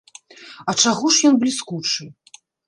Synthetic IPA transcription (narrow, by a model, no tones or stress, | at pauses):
ɐt͡ʂaɣɔʂjɔnblʲiskut͡ʂɨ